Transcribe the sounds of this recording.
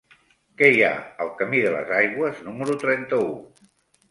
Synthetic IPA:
kɛja̰əlˠkəmiðələ̰zajɣwəznuməɾut̪ɾɛnt̪əu

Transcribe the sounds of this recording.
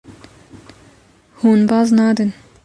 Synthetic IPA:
huːnbɑznɑːd̪ən

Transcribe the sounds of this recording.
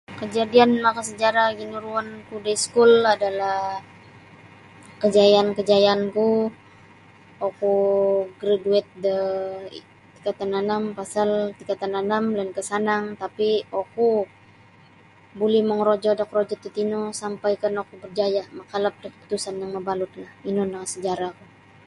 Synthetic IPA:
kəd͡ʒadianmakasəd͡ʒaɾaɡinuɾuankudeskuladalah | kəd͡ʒajaːnkəd͡ʒajaːnku | okuɡɾaduɛt̪̚də | t̪i̥kat̪ananampasalt̪ikat̪ananamlɛnkəsanaŋt̪apioku | bulɛhməŋɾod͡ʒɔdakrod͡ʒɔt̪ut̪inosampajkanokubərd͡ʒajamakalap̚dakəpu̥t̪usanjaŋməbalut̪̚lahinɔnaŋsəd͡ʒaɾaku

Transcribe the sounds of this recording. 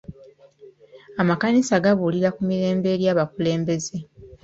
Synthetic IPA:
amakanisaɡaβuliɾakumiɾe̞ːmbe̞ɾjaːβakule̞ːmbe̞ze̞

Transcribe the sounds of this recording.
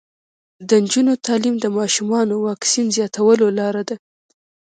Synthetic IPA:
d̪ənd͡ʒunot̪ɑlimd̪əmɑʃumɑnowɑksinzjɑt̪awəlolɑɾad̪a

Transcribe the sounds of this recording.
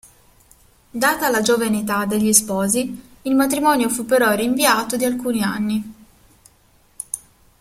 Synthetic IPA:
d̪aːt̪alad͡ʒovaneit̪ad̪eʎːispɔːziː | lmat̪ɾimɔnjofupːeɾɔriɱviaːt̪od̪ialkuːnianːi

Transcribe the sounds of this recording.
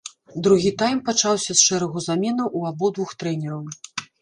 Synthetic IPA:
d̪ɾuɣʲit̪ajmpat͡ʂawsʲɐsʂɛɾɐɣuzamʲɛnɐwʔuabɔd̪vuxt̪ɾɛnʲɛɾɐw

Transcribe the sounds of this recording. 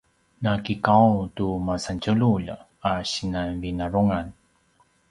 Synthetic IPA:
nakikawtumasant͡ɕəluʎ̰ | aɕinanvinaɾuŋan

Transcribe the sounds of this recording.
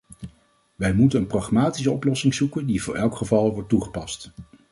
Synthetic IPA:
ʋɛjmutənənprɑχmaːtis̬əɔplɔsɪŋzukəndivʊːɹʔɛlˠkχəvɑlˠʋɔɹt̚ːuχə̥pɑst

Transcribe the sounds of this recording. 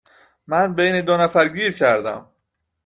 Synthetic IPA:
mænbejned̪onæfæɾɟiːɾcʰæɾd̪æ̰m

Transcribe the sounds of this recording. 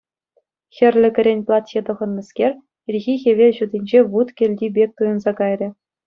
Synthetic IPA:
xʲɘ̆rʲlʲɘ̆ɡʲɘ̆ɾʲenʲplˠɑt̪ʲɕet̪ɤ̆ʁɤ̆nːɤ̆skʲerʲ | ilʲɣʲixʲeʋʲeʑud̪ʲinʲd͡ʑeʋut̪kʲɘ̆lʲdʲibʲek̚ʲt̪ujɤ̆nzɑkɑjrʲɘ̆

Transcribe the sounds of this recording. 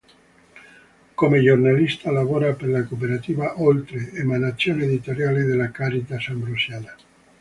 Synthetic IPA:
komeʒoɾnalist̪alaβoɾapeɾlakop̬eɾat̪iβaʔolt̪ɾeːmanat͡sjoneðit̪oɾjaleðelakaɾit̪asambɾusjala

